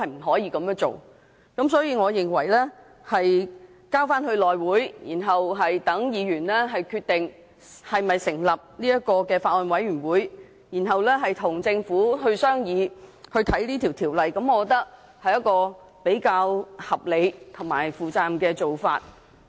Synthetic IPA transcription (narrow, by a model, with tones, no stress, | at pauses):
ɐ˨jm̩˨˩ɦɔː˨˥jiː˧kɐ˨˥mjœː˥ŋt͡so̰˨w | kɐ˨˦˥msɔː˨˥jiː˧ŋɔː˨˧jɪ˨˩ŋwɐ˨˩jlɛː˥ | hɐ˨j | kaː˥wfaː˥nhɵ˧ɥlɔː˨jwuː˨˥jjiː˨˩nɦɐ˨wɦɐ˨jt̪ɐ˨˥ŋjiː˨˧ɥyː˨˩nlɛː˥ɦɐ˨jkʰyː˧t̪ɪ˨ŋ | hɐ˨jmɐ˨jsɪ˨˩ŋlɐ˨p̚niː˥jɐ˥kɔː˧kɛː˧faː˧t̚ɔ˨nwɐ˨˥jɥyː˨˩nwuː˨˥j | jiː˨˩nɦɐ˨wlɛː˥ɦɐ˨jt̪ʰʊ˨˩ŋt͡sɪ˧ŋfuː˨˥ɦɵ˧ɥsœː˥ŋjiː˨˧hɵ˧ɥt̪ʰɐ˨˥jliː˥t̪ʰiː˨˩wt̪ʰiː˨˩wlɐ˨jkɐ˨˧˥mɔː˨˧kɔ˧˥t̪ɐ˥k̚ | hɐ˨jɐ˥t̚kɔː˧ | pe˨˥jkaː˧whɐ˨p̚le˨˧jt̪ʰʊ˨˩ŋma̰ː˨˩jfuː˨t͡saː˧mkɛː˧t͡so˨wfa̰ː˧t̚